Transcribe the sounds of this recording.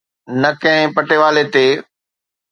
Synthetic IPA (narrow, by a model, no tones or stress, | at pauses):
nɐkɐ̃ɦɪ̃pɐʈeʋaːlet̪eː